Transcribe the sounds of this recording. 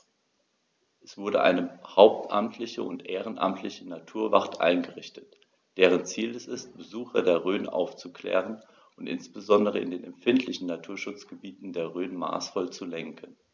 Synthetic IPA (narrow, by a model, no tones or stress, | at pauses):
ʔɛsv̥ʊɐdəʔa̰ɪnəhaʊp̚tʰʔamtʰlɪçəʊntʔeːʁ̞ənʔa̰mtʰlɪçənatʰuːɐva̰ʁtʔa̰ɪnɡəʁɪçtət | d̥eːʁ̞ənt͡siːlɛsɪst̚b̥əzuːxɐdeːɐʁøːnʔa̰ʊft͡sukʰl̥ɛ̰ːʁ̞ən | ʊntʔɪ̰nsb̥əzɔndəʁəɪ̰ndeːnɛmfɪntʰlɪçn̩nːatʰuːɐʃʊt͡sɡ̥əbiːtn̩deːɐʁøːnma̰ːsfɔlt͡sulɛŋkʰən